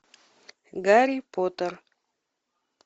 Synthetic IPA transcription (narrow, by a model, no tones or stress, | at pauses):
ɡaɾipot̪əɾ